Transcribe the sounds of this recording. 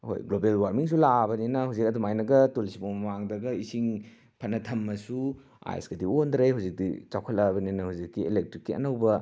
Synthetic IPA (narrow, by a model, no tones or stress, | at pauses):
ho̰jɡlobelwaɾmiŋs̬ulabɐninɐhuwzik̚ɐdumajnɐɡɐtolisibomɐmaŋdɐɡɐisiŋ | pʰɐnːɐtʰɐmːɐsu | a̰jḛsɡɐdiondɾejɦuwzik̚dḭt͡ʃawkʰɐlɐbɐninɐhuwzikːielek̚tɾikːiɐ̰nɐwbɐ